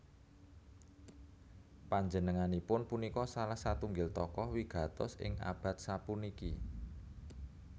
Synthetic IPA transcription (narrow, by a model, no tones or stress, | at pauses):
paɲd͡ʒənəŋanipʊnpunikɔsalahsat̪uŋɡɪlt̪ɔkɔwiɡ̥ä̤t̪ɔ̰sɪ̰ŋa̰b̥a̤t̪̚sapuniki